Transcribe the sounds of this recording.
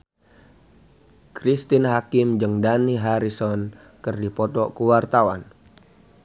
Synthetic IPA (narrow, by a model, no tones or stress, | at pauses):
kɾist̪inɦakɪmd͡ʒəŋdaniɦaɾisɔn | kɨrdipɔt̪ɔkuwart̪awan